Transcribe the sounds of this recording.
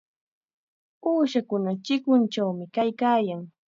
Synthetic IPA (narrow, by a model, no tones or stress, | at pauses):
uːʃakʊnat͡ʃɪkʊnt͡ʃawmɪkajkaːjaŋ